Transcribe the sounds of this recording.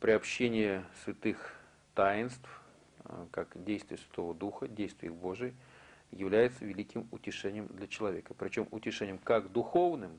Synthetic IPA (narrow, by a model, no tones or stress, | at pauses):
pɾʲɪɐpɕːenʲɪjəsvʲɪt̪ɨx | t̪ajɪnst̪f | kakdʲejst̪vʲɪjəsvʲɪ̥t̪o̞vəd̪uxədʲejst̪vʲɪ̰jixbo̞ʐɨjəjɪvlʲæjɪt̪səvʲɪlʲikʲɪmʊtʲɪʂɛnʲɪjəmd̪lʲɐt͡ɕɪlˠɐvʲe̞kəpɾʲɪt͡ɕo̞mʊtʲɪʂɛnʲɪjəmkakd̪ʊxo̞vnɨm